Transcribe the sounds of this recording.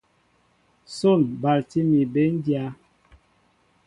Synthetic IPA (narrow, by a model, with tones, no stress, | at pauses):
so˦˨nba˨lti˦mi˨be˦n˦dja˦